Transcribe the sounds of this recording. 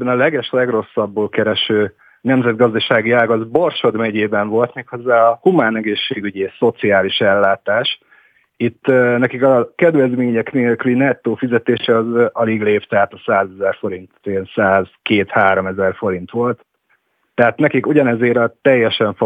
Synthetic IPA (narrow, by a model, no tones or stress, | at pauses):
bɛnɒlɛɡɛʃlɛɡro̞sːɒbːoːlkɛɾɛʃøː | nɛmzɛd̪̚ɡɒzd̪ɒʃaːɡiaːɡɒzbo̞rʃo̞d̪mɛɟeːbɛɱvo̞lt̪meːkho̞zːaːɒhumaːnɛɡeːʃːeːɡyɟeːso̞t̪siaːliʃɛlːaːt̪aːʃ | it̪ːnɛkikɒkɛd̪vɛzmeːɲɛkneːlklinɛt̪ːoːfizɛt̪eːʃɛɒzʔɒliɡleːpt̪ɛɦaːt̪ɒsaːzɛzɛrfo̞ɾint̪nsaːz̥keːt̪haːɾo̞mɛzɛrfo̞ɾint̪ʋo̞lt̪ː | ɛɦat̪nɛkikuɟɒnɛzeːɾt̪ɛjːɛʃɛɱfo